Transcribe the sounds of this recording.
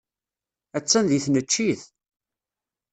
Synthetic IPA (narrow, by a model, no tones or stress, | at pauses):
æt͡sːænðiθnət͡ʃːiθ